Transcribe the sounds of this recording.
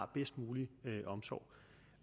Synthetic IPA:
b̥esd̥muːliøʔɒ̽msɒ̰ʊ̰

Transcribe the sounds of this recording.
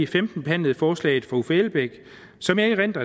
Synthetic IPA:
ifemd̥n̩b̥e̝hæn̰lð̩ˠfɒːslɛ̰ɪð̩ˠfʁɑ̈ufæelb̥eɡ̥ | sɒ̽mæʁen̰d̥ɐ

